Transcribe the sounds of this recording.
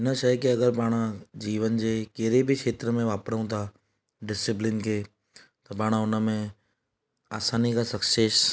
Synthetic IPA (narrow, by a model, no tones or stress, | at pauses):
ɦɪnə̆ʃɐjkiɐɡəɾpaːɽ̃d͡ʑiːʋənd͡ʑeːkeɦɾebʱɪkʃʰeːt̪ɾəmẽʋaːpɾəũt̪ʰa | ɖɪsɪplɪnkʰeː | t̪ɐpaːɽ̃ʊnə̆mẽ | aːsaːnikʰasɐkseːs